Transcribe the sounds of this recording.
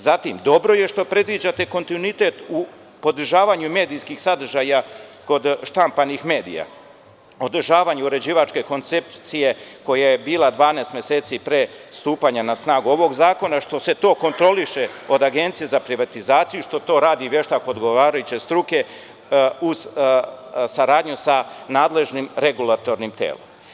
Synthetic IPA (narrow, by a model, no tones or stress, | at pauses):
zat̪imd̪o̞bɾo̞je̞ʃt̪o̞pɾe̞d̪ʋid͡ʑat̪e̞ko̞nt̪inuit̪e̞t̪u | po̞d̪r̩ʒaːʋaɲume̞ːd̪ijskixsad̪r̩ʒaːjako̞d̪ʃt̪ampanixme̞ːd̪ḭja̰ | o̞d̪r̩ʒaːʋaɲuuɾe̞d͡ʑiːʋat͡ʃke̞ko̞nt̪se̞pt̪sije̞ko̞jajebiːlˠad̪ʋaːneːst̪mje̞seːt̪sipɾest̪uːpaɲanasnaːɡuo̞ʋo̞ɡzaːko̞naʃt̪o̞se̞t̪o̞ːko̞nt̪ɾo̞liʃe̞o̞d̪aɡe̞nt̪sije̞zapɾiʋat̪izaːt̪sijuʃt̪o̞t̪o̞ːɾaːd̪iʋjeʃt̪akoːd̪ɡo̞ʋaːɾajut͡ɕe̞st̪ɾuke̞ | uz | saɾaːd̪ɲusanaːd̪le̞ʒnimɾeɡulˠat̪o̞ɾnimt̪ḛːlo̰m